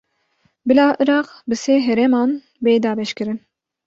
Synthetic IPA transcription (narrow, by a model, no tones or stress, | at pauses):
bɨlɑːʔɨɾɑːqbɨseːɦɛɾɛmɑːn | beːd̪ɑːbɛʃkɨɾɨn